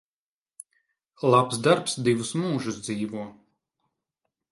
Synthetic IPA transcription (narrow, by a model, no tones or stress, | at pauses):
lˠapsd̪aɾpsd̪ivusmuːʒusd̪ziːvuɔ